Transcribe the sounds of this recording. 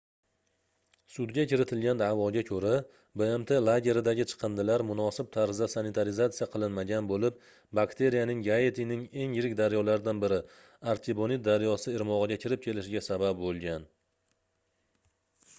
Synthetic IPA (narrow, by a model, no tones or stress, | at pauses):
sʊd̪ɡʲakʲɪɾɪt̪ʰɪlɡʲand̪avɒɡʲakʲʰɵɾa | beemt̪ʰe̞lˠaɡʲe̞ɾɪd̪aɡʲɪt͡ʃʰɨ̥qʰɨnd̪ɪlaɾmʊnɒsɪp̚t̪ʰaɾzd̪asanɪt̪ʰaɾɪzat̪sijaqʰɨlˠɪnmaɡʲanbolɪp̚ | bakt̪ʰe̞ɾijanɪŋɡajet̪ʰinɪŋe̞ŋjɪɾɪkʲd̪aɾjɒlaɾɪd̪anbɪɾɪ | aɾt̪ʰibonit̪̚d̪aɾjɒsɪɪɾmɒʁɨɡʲakʲʰɪɾɪp̚kʲʰe̞lɪʃɪɡʲasabap̚bolˠɡʲan